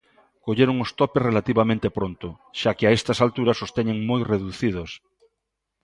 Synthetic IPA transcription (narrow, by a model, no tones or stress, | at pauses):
koʎeɾoŋost̪ɔpesrelat̪iβamẽnt̪epɾont̪ʊ | ʃakɪaest̪ɐsalt̪uɾɐsost̪eɲeŋmojreðuθið̞os